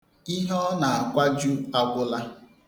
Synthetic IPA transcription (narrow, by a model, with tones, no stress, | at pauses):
i˦ɦɔ˦na˨a˨kʷa˦d͡ʒu˦a˦ɡʷʊ˦la˦